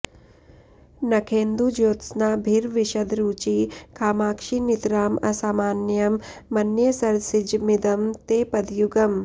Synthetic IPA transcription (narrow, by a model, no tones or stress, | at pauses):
nɐkʰeːnd̪ud͡ʒoːt̪snaːbʱiɾʋiʃɐd̪ɾuːt͡ʃikʰaːmaːkʃinit̪ɾaːmɐsaːmaːnjɐmːɐnjɐsɐɾsid͡ʒmid̪ɐmt̪eːpɐd̪juɡɐm